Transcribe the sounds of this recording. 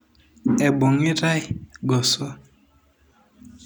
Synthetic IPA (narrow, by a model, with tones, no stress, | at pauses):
ɛ˨bo˨ŋi˦ɾa˦jɡɔ˨sɔ˦